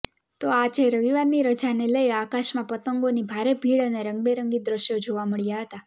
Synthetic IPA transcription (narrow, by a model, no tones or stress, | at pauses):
t̪oad͡ʒeɾəʋiʋaɾniɾəd͡ʒaneləiakaʃmãpət̪əŋɡonibʱaɾebʱiɭəneɾəŋɡ̚beɾəŋɡid̪ɾəʃjod͡ʒoʋaməɭjaɦət̪a